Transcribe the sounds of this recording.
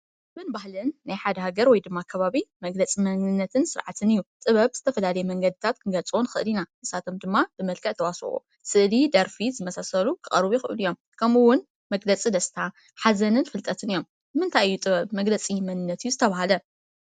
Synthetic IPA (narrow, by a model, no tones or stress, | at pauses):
mɨnbahlɨnːajħad̪ɐɦaɡɐɾwɔjd̪ɨmːakʰɐβaβimɐɡlɐt͡sʼimɐnɨnːɐt̪ʰɨnsɨɾʕat̪ʰɨnɨjːut̪ʼɨβɐβz̥ɨt̪ʰɐfɐlalɐjɛmɐŋɡɐd̪ɨt̪ʰat̪kʰɨɡɐt͡sʼonxɨ̰ʔɨlinaʔɨsat̪ʰomd̪ɨmːabɨmɐlkʰɐʔt̪ʰɐwasχʼṵ | sɨʔlid̪ɐɾfizɨmɐsasɐlukʰɨχʼɐɾβjuxɨ̰ʔɨlijo̞m | kʰɐmuwʊn | mɐɡlɐt͡sʼid̪ɐst̪ʰa | ħazɐnɨnfɨlt̪ʼɐt̪ʰɨnɨjom | bɨmɨnt̪ʰajjːut̪ʼɨβɐβmɐɡlɐt͡sʼimɐnɨnːɐt̪ɨjuzɨt̪ʰɐβahalɐ